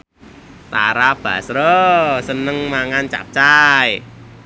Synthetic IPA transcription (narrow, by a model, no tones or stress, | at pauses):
t̪aɾab̥ä̤̰sɾosənəŋmaŋant͡ʃa̰p̚t͡ʃaj